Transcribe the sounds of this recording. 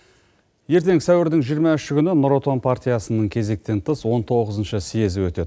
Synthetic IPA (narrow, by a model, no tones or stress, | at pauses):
je̞ɾt̪e̞ŋsæwɪɾd̪ɪŋʒijəɾmɑʏʃɪkʲʏnɪnoɾo̞t̪onpʰart̪ʲijasənəɴkʲʰe̞ze̞k̚t̪e̞nt̪ʰəswo̞nt̪ʰo̞ʁəzənʃəsijezɪwɵt̪e̞d̪ɪ